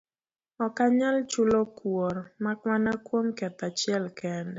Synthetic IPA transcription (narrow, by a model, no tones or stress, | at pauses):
ɔkaɲalt͡ʃulokwoɾmakwanakwomkɛt̪at͡ʃɪɛlkɛndɛ